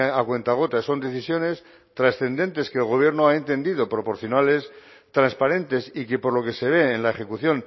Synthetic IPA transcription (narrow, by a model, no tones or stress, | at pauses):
akwe̞nt̪aɣ̞o̞t̪aso̞nd̪e̞θisjo̞ne̞s | t̪ɾasθe̞nd̪e̞nt̪e̞skeːlɣo̞β̞je̞ɾnoae̞nt̪e̞nd̪iðo̞pɾo̞po̞ɾθjo̞nale̞s | t̪ɾanspaɾe̞nt̪e̞sike̞po̞ɾlo̞kese̞β̞e̞ːnlae̞χe̞kuθjo̞n